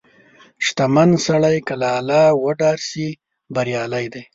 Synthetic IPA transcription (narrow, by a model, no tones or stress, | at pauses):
ʃt̪amansaɭajkalaːlɑwəɖɑɾsi | baɾjɑlajd̪aj